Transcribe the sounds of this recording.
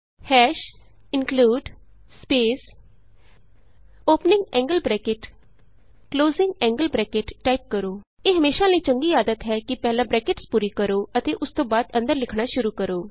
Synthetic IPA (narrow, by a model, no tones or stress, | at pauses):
hɛːʃ | ɪnkluːɖspeːs | oːpnɪ̃ŋɡɛ̃ːŋɡəlbɾɛːkɪʈ | kloːzɪ̃ŋɡɛ̃ːŋɡəlbɾɛːkɪʈːaːip̚kəɾoː | eːɦəmeːʃãːləiːt͡ʃəŋɡiːaːd̪ət̪ɦɛːkɪpɛːlãːbɾɛːkɪʈspuːɾiːkəɾoːət̪eːʔʊst̪õːbaːd̪ə̃nd̪əɾlɪkʰɽaːʃʊɾuːkəɾoː